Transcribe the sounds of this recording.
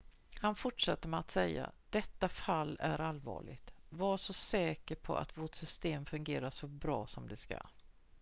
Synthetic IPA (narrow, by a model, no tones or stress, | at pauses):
hanfʊʈʂat̪ːəmɛat̪sɛjːa̰d̪̥ɛt̪ːafalːæɾalvɑ̰ːɭɪ̰ɡt̪vaʂɔsɛːkəɾpʰɔ̰ʔa̰t̪voːʈsʏst̪eːmfɵŋɡeːɾaʂɔbɾɑːsɔmd̪ɛska̰